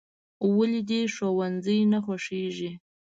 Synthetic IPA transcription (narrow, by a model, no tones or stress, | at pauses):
walid̪iʃowanzəjnaxaʂeʒi